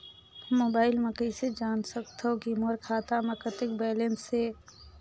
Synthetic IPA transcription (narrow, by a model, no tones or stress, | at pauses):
mːoːbaːɪlmɐkəɪsed͡ʒaːnsəkt̪ɦokimoɾkʰaːt̪aməkət̪ɪk̚bɛːlẽnse